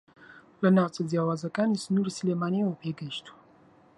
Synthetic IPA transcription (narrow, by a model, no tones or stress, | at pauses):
lənawt͡sʼəzjawazakʼanisnuɾisəlemanijwopʰeɡəʃt̪ʰu̥